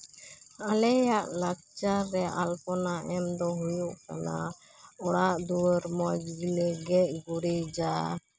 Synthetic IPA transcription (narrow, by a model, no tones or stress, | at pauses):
alɛjaʔlak̚t͡ʃaɾɛʔalpɔnaʔɛmd̪ɔɦujuʔka̰na̰ | ɔɽaʔd̪uwəɾmɔd͡ʒɡilɛɡɛʔ̚ɡuɽid͡ʒa